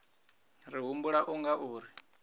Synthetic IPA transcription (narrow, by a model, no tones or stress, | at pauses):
ɾiɦumbuɺaʔuŋɡaʔuːɾi